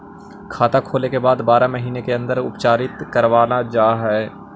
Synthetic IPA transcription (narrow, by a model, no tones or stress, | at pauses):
kʰaːt̪akʰoːlekebaːd̪baːɾaməɦiːnekeɐ̃nd̪əɾʊ̰pt͡ʃaːɾɪt̪kɐɾʋaːnad͡ʒaːɦɛː